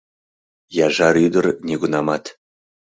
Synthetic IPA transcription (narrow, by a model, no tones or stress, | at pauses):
jɑʒɑɾyd̪ərnʲeɡunɑmɑt̪